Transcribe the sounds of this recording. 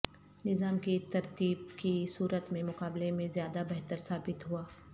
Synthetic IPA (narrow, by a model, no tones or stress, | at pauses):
nɪzaːmkit̪ɐɾt̪iːbkisuːɾət̪mẽmʊqaːblemẽzjaːd̪abɛɦt̪əɾsaːbɪt̪ɦuaː